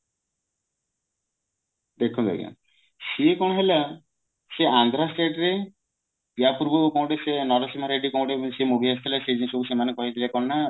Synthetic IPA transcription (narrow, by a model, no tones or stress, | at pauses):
d̪ekʰud̪a̰j̰a̰ | siekɔɽ̃ɔɦela | seand̪ʱɾasʈeʈɾe | pjapuɾbʱukõw̃ʈesenɔɾɔsimaɾeɖikõw̃ʈebɔ̃ŋsemobʱiast̪ʰelased͡ʒisɔbusemanekɔɦit̪ʰilekɔɽna